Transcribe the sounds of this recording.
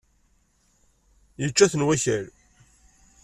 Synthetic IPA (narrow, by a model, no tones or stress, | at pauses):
jət͡ʃːæθənwæçæɾ